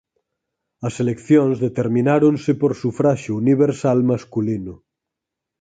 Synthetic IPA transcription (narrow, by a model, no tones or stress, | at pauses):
ɐselekθjõnzðet̪eɾmĩnaɾonsepoɾsufɾaʃouniβ̞eɾsalmaskulino